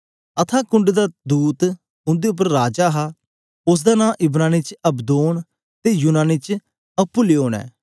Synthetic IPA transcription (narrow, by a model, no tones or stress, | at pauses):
ət̪ʰaːkʊɳɖd̪aːd̪uːt̪ | ʊ̃nd̪eʊp̬ːəɾːaːd͡ʒaːɦa | ʊs̬d̪aːnãːʔɪbɾaːnit͡ʃɐbd̪oːn | t̪eːjuːnaːnit͡ʃ | əpːʊleːoːnɛ̰ː